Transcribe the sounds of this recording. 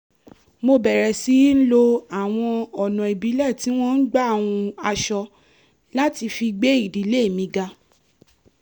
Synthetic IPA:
mo˧bɛ˨ɾɛ˨si˨˦n̩˦lo˧a˨w̃ɔ̃˧ɔ˨nɔ̃˨i˨bi˨˦lɛ˦˨ti˨˦w̃ɔ̃˦n̩˦ɡ͡ba˦˨w̃ũ˧a˧ʃɔ˧ | la˦ti˧fi˧ɡ͡be˦i˦˨di˨˦le˦˨mĩ˧ɡa˧

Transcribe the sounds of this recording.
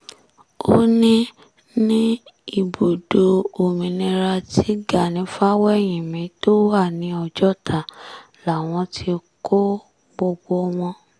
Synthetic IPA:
o˦nĩ˦ | nĩ˦i˦˨bo˨do˧o˨mĩ˨nĩ˧ɾa˧tʰi˨˦ɡa˨nĩ˨˦fa˦wɛ˦˨j̃ĩ˨mĩ˨˦to˦wa˦˨nĩ˧˦ɔ˧d͡ʒɔ˦tʰa˨ | la˨w̃ɔ̃˧tʰi˧ko˦ | ɡ͡bo˧ɡ͡bo˧w̃ɔ̃˧

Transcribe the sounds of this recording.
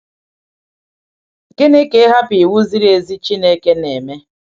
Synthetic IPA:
ke˦ne˦ke˦ɦa˦pi˨wu˦zi˦ɾe˨zi˦t͡ʃi˦ne˦ke˦ne˨me˦

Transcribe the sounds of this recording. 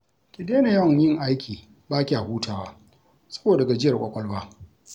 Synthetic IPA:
kʲɪ˨deː˦ne˨jɐ˦wɐ˨jɪ˦ŋʔa˦jkʲiː˨ | baː˦kʲi˨ʔa˨huː˦tʰaː˨waː˦ | sɐ̥˦boː˨dɐ˨ɡa˨d͡ʒɪ˦jɐ˨rkʷʼɐ˦kʷʼɔ˦lwaː˦

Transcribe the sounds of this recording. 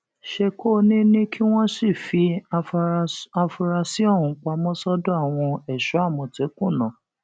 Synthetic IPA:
ʃe˧kʰoː˦˨nĩ˦nĩ˦kʰi˦w̃ɔ̃˦si˦˨fi˧˦ | a˧fu˧ɾa˧si˨˦ɔ˦˨hũ˧˦k͡pa˧mɔ̃˦sɔ˦do˦a˦˨w̃ɔ̃˧ɛ˨ʃɔ˨˦a˦˨mɔ̃˧te˨˦kũ˦˨nã˨

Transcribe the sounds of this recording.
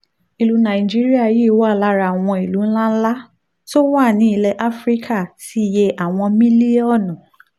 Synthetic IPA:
i˨lu˧nã˨d͡ʒi˦ɾi˦a˦˨jiː˦˨wa˦˨la˦ɾa˧˨w̃ɔ̃˧i˨lu˨˦n̩˦lã˦n̩˦la˦ | to˦wa˦˨nĩ˨˦i˧lɛ˧ʔa˦fɾi˦kʰa˦˨ti˦˨je˧ʔa˨w̃ɔ̃˧mĩ˦li˦ɔ˦˨nɔ̃˨

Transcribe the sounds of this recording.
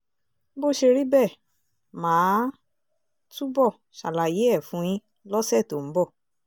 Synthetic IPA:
bo˦˨ʃe˧ɾi˦bɛ˦˨ | mãː˨˦ | tu˦bɔ˦˨ | ʃa˨la˨je˨˦ɛ˦˨fũ˦j̃ĩ˦ | lɔ˦sɛ˦˨to˨m̩˨˦bɔ˦˨

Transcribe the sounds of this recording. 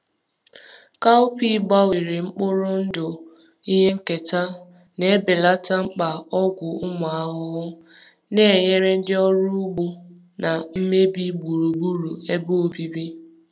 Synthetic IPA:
ka˦ʊ˦pi˦ɡ͡ba˦wi˨ɾɪ˨ŋ͡m̩˦k͡pʊ˦ɾʊ˦n̩˦dʊ˨ | i˦ɦe˦ŋ̩˦ke˨ta˦ | ne˨˦bɪ˨la˦ta˦ŋ͡m̩˦k͡pa˨ɔ˦ɡʷʊ˨ʊ˦mʊ˨a˦ɦʊ˦ɦʊ˦ | ne˦˨ɲe˦ɾe˦n̩˦dɪ˦ɔ˦ɾu˦bʊ˦ | na˨m̩˦me˦bi˦ɡ͡bu˨ɾu˨ɡ͡bu˦ɾu˨e˦bo˦o˨bi˦bi˦

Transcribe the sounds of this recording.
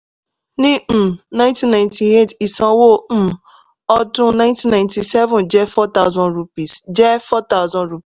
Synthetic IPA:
nĩ˦m̩˨nã˦ɪ̃ntĩ˦nã˨ɪ̃ntʰi˨e˦˨ti˨sã˧wo˦m̩˨ | ɔ˦dʊ̃˦nã˦ɪ̃ntĩ˦nã˨ɪ̃nti˨sɛ˦vũ˨nd͡ʒɛ˦fɔ˦t̪a˦ʊzɔ̃˦nɾu˧pi˨sd͡ʒɛ˦fɔ˦t̪a˦ʊzɔ̃˦nɾu˨˦pi˨

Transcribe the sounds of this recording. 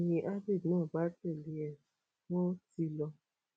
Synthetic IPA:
jĩ˨ʔa˦bi˦˨dnãː˦˨ba˦tɛ˦˨li˨˦ɛ˨ | wɔ̃˦ti˧lɔ˧

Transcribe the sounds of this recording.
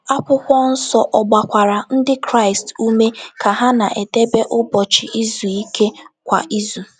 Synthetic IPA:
a˦pʊ˦kʷɔ˦n̩˦sɔ˨ʔɔ˨ɡ͡ba˨kʷa˨ɾa˨n̩˦dɪ˦kɾa˦˨ɪ˨stu˦me˦kʰa˨ɦa˦na˨ʔe˨te˦be˦ʔʊ˦bɔ˨t͡ʃɪ˨ʔi˦zu˨i˦kʰe˦kʷa̰˨ʔi˦zu˨

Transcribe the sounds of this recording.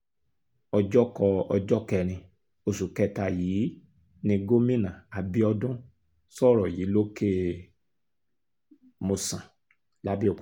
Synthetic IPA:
ɔ˧d͡ʒɔ˦kɔ˧ɔ˧d͡ʒɔ˦kɛ˧ɾ̃ĩ˧ | o˨su˨kɛ˧˨ta˧jiː˨˦ | nĩ˧ɡo˦mĩ˦nã˨a˨bi˧ɔ˧dũ˦ | sɔ˦˨ɾɔ˨ji˨˦lo˦ke˦ | mo˧sã˨ | la˦bi˦o˨

